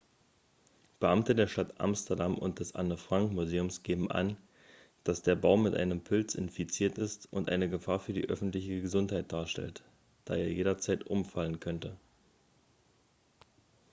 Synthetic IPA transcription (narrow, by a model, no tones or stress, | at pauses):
b̥əʔamtədeːɐʃtatʔa̰mstɐdamʔʊ̰nt̚d̥ɛsʔa̰nəfʁ̥aŋkmuzeːʊmsɡ̥eːbm̩ʔa̰n | d̥asd̥eːɐbaʊmɪtʔa̰ɪnəmpʰʊlt͡sɪ̰nfit͡siːɐtɪstʊntʔa̰ɪnəɡəfaːɐfyːɐdḭːʔœfn̩tlɪçəɡəzʊnthaɪt̚d̥aːɐʃtɛ̰lt | d̥aːeːɐjeːɾɐt͡saɪtʔʊmfalənkʰœntə